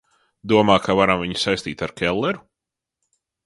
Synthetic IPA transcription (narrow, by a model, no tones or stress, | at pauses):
d̪uɔmaːkavaɾamviɲsajst̪iːt̪aɾkʲʰɛlˠːɛɾu